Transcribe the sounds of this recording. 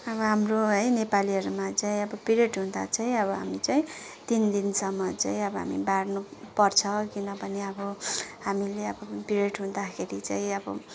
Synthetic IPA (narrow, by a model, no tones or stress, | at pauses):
ʌbʌɦamroɦʌjnepaliɦʌɾumat͡saĩʌbʌpiɾeʈɦũd̪a̰t͡saĩʌbʌɦa̰mit͡saĩt̪ind̪insʌmːʌt͡saĩʌbʌɦa̰mibarnupʌrt͡sʰʌkinʌbʌneʌbʌɦamileʌbʌpiɾeʈɦũd̪akʰeɾit͡saĩʌbʌ̰